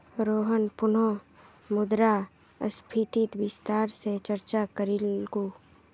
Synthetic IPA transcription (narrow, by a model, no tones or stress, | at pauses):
ɾoːɦənpʊno | mʊd̪ɾa | ə̰spʰit̪it̪ʋɪst̪aːɾset͡ʃəɾt͡ʃakəɾilɡuː